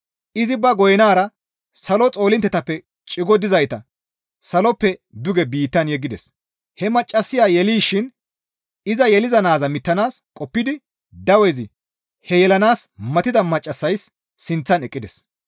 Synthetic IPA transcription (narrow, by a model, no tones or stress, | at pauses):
ʔɪzɪbɐɡɔjɛnaːɾɐ | sɐlɔt͡sʼo̞ːlɪnt̪ːɛt̪ɐpːɛ | t͡ʃʼɪɡɔd̪ɪzɐjt̪ɐ | sɐlɔpːɛd̪ʊɡɛbiːt̪ːɐnjɛɡːɪd̪ɛs | hɛmɐt͡ʃʼːɐsːɪjaːjɛliːʃɪn | ɪzɐjɛlɪzɐnaːzɐmɪt̪ːɐnaːskʼɔpːɪd̪ɪ | d̪ɐwɛzɪ | hɛjɛlɐnaːsmɐt̪ɪd̪ɐmɐt͡ʃʼːɐsːɐjsː | ɪnt͡sːɐnɛkʼːɪd̪ɛs